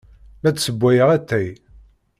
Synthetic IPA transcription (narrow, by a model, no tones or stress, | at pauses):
læt͡sːsəbʷːæjəʁæt̪ːæj